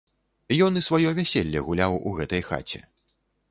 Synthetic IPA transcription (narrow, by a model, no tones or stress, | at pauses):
jɔnisvajɔvʲɛsʲelʲːɛɣulʲawṵɣɛt̪ɐjxa̰t͡sʲɛ̰